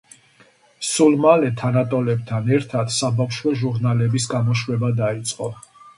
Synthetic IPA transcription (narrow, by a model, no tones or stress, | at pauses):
sulmalɛt̪ʰanat̪ʼɔlɛb̚t̪ʰanɛɾt̪ʰad̪sabafʃwɛʒuɾnalɛbisɡamɔʃwɛbad̪ait̪sʼqʼɔ